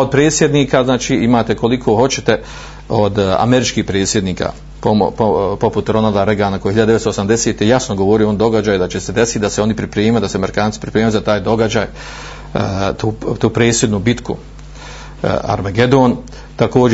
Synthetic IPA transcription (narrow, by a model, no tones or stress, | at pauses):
od̪̚pɾe̞ːt̪sʲje̞d̪niːkaznaːt͡ʃiːimaːt̪eko̞likʰo̞ːɦo̞t͡ɕet̪e | od̪a̰meɾit͡ʃkiːhpɾe̞ːt̪sje̞d̪niːkʰa̰ | popopo̞put̪ɾo̞nalˠd̪aɾeɡaːnakojehiʎad̪d̪etst̪osamd̪eset̪ejasnoɡo̞ʋo̞ɾijoond̪o̞ɡad͡ʑaːjud̪at͡ɕese̞d̪e̞sit̪d̪aseo̞nipɾipɾeːmajud̪asemeɾikaːnsi̥pɾipɾeːmat̪zat̪aːjd̪o̞ɡad͡ʑaːj | t̪uːt̪uːpɾeːt̪sje̞d̪nubit̪kṵ | a̰ɾmeɡe̞d̪oːn | t̪ako̞ːd͡ʑ